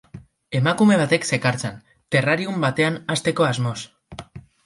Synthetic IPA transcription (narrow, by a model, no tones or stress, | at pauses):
e̞makume̞β̞at̪e̞kse̞kaɾt͡sen | t̪e̞raɾiumbat̪e̞anast̪e̞ko̞azmo̞s